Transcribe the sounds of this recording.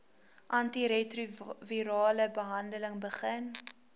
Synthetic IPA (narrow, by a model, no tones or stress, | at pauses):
ʔɐntiɾetruviɾɑːləbəɦɐndələŋbəχən